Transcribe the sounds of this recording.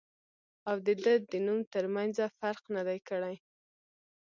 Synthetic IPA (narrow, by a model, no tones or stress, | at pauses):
awd̪əd̪əd̪ənumt̪əɾmanzafaɾqnad̪ajkəɽaj